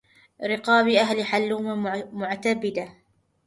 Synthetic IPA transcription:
ɾɪqɑːbɪʔaɦlɪħalːuːmamʊʕt̪abɪd̪a

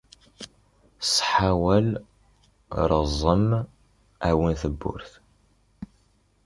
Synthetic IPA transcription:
sˤħawæl | ɾˤəzˤːəm | æwinθəbːʊ̰ɾθ

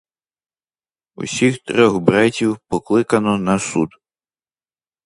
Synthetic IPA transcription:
ṵsʲixt̪ɾʲɔɣbɾatʲiwpɔklˠɪkɐnɔnɐsṵd̪

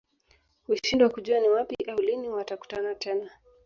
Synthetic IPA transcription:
huʃindwakuʄuaniwapiʔauliniwataku̥tanatɛna

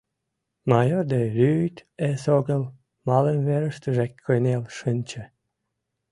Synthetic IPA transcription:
mɑjord̪eɾʲyt̪esoɣəl | mɑlənβeɾə̆ʃt̪øʒekʲːojnelʃənʲt͡ɕə̆

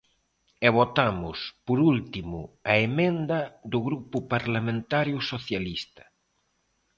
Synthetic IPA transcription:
eβ̞ot̪amʊspoɾult̪imʊaemẽnd̪ɐðʊɣɾupʊpaɾlamẽnt̪aɾjʊsoθjalist̪ɐ̥

